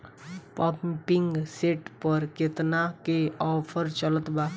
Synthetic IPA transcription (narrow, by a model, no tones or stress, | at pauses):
papmpiŋɡseʈpəɾket̪nakeɔpʰəɾt͡ʃələt̪ba